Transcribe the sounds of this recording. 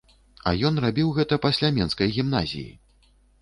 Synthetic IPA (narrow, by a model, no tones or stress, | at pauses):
ɐ̰jɔn̪rabʲiwɣɛt̪ɐpasʲlʲamʲɛnskɐjɣʲimna̰zʲḭjḭ